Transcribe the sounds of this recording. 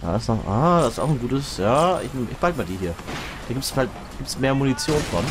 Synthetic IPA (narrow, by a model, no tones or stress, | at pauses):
ʔa̰ːɪsnɔχʔa̰d̥asɪsta̰ʊxn̩ɡuːtəsjaːɪ̰çmʔɪ̰çb̥altəmaːldiːɦiːɐ | d̥aːɡiːptsfalt | ɡiːp̚tsmeːɐmuːnit͡sjoːnfɔn